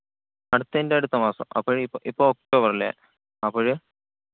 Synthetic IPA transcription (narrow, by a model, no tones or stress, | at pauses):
ɐɽut̪ːɐndeɐɽut̪ːɐmaːsɐ̰mɐ̰pːoːɻipːoʔipːook̚ʈoːbɐrilːḛ | ɐpːoɻɨ